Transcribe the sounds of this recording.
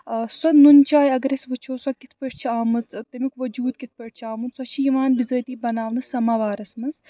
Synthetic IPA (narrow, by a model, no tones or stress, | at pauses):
sɐt̪nunt͡ʃaːjɐɡɐɾɐsʋɨt͡ʃʰoːsɐkit̪ʰpəʈ̚ʰt͡ʃʰiaːmɨt͡s̪t̪ɐmikʋɐd͡ʒuːd̪kit̪̚ʰpəʈ̚ʰt͡ʃʰiaːmɨt̪swɐt͡ʃʰijiʋaːnbizəːt̪iːbɐnaːʋnɨsɐmaʋaːɾɐsmɐnz